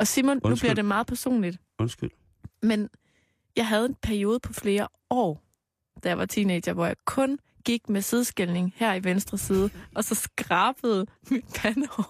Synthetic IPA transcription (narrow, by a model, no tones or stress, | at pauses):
ɒ̽simonnub̥liɐɾ̥e̝mɑ̈ːð̩ˠpʰæɐso̝̰ːnlid̥ | onsɡ̥yl | men | jɑ̈ɪɦæð̞̩ˠe̝npʰæɐio̝ːðˠəpʰɒ̽fle̝ːɐ | ɒ̰ː | d̥æjɑ̈ʋɑ̈t͡sʰiːnedɐʋɒjɑ̈ɪkʰɔ̽n | ɡ̥iɡ̥mesiðˠsɡ̥elne̝ŋhæɐ̰iʋensd̥ʁɐsiːð̞ˠəʔɒ̽sɒ̽sɡ̥ʁɑ̈ːb̥əð̞̩ˠmid̥pʰænɒ